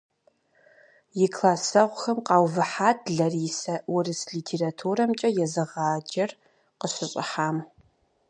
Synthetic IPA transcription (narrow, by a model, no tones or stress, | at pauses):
jɪkʰlaːsɐʁʷxɐmqɑːwvɨħaːtʰɮɐriːsɐwʊrɨsɮiːtʰeːɾatʰuːɾɐmt͡ʃʼɐjɛzɨʁaːd͡ʒɐr | qəɕɨɕʼɪ̰ħaːm